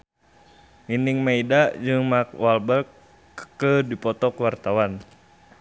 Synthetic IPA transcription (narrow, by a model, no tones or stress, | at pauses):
iniŋmaidad͡ʒɨŋmak̚walbərk | kədipɔt̪ɔkwart̪awan